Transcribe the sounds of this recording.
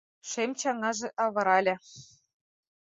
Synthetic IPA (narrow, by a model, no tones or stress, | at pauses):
ʃemt͡ɕɑŋɑʒĕʔɑβɤ̆ɾɑlʲɘ̆